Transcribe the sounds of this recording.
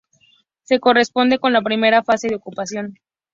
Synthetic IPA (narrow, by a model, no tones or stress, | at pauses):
se̞ko̞re̞spo̞nd̪e̞ko̞nlapɾime̞ɾafase̞ðeo̞kupasjo̞n